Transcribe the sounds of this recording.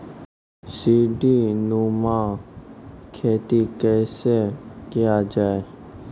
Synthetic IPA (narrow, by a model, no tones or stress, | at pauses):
siːɖiːnuːmãː | kʰeːt̪ikɛːsekɪjad͡ʒaːe